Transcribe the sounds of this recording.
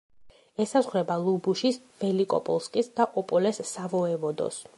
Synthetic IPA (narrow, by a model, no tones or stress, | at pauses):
ɛsazʁɾɛbalˠubuʃis | vɛlikʼɔ̰pʼɔ̰lˠskʼisd̪aʔɔpʼɔlɛsːavɔɛvɔd̪ɔ̰s